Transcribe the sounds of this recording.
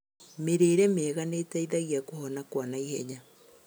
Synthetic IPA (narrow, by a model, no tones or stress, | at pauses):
meɾeːɾɛmeːɣanetɛiðaɣiakohɔnakwanaihɛɲa